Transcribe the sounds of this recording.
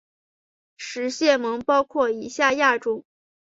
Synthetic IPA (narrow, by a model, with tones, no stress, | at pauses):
ʂɻ̩˧˥ɕjɛ˥˩mɤ˧˥ŋpɑ˥ʊkʰwɔ˥˩i˧˥ɕja˥˧ja˥˩ʈ͡ʂʊ˥ŋ